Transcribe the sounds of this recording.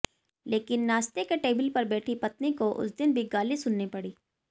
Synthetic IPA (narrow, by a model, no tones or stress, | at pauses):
leːkɪnːaːst̪ekeʈeːbəlpɐɾbɛːʈʰipɐt̪nikoʔʊ̰sd̪ɪnbʱiɡaːlisʊnːepɐɽiː